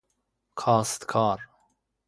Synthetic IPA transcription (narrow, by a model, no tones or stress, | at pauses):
kʰɑːst̪kʰɑːɾ